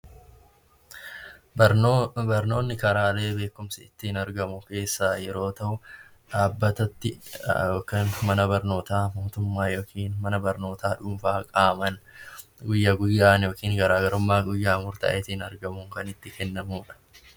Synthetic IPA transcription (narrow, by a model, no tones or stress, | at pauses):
bɐɾno̞ːnːɪkɐɾaːle̞ːbe̞ːkːʊmsɪɪt̪ːɪhɪnɐɾɡɐmʊke̞ːsːaːjɛɾo̞ːt̪ɐʔʊ | ᶑaːbːɐt̪ɐt̪ːɪjoːkɐnmɐnɐbɐɾno̞ːt̪aːmo̞ːt̪ʊmːaːjoːkʰiːnmɐnɐbɐɾno̞ːt̪ʰaːᶑʊːmfaːkʼaːmɐnɡʊjːaːɡʊjːaːnjo̞ːkiːŋɡɐɾaːɡɐɾʊmːaːɡʊjːaːmʊɾt̪ɐ̰ːʔɪt̪ːɪhɪnɐɾɡɐmʊŋkɐnɪt̪ːɪkɛnːɐmuːᶑɐ̥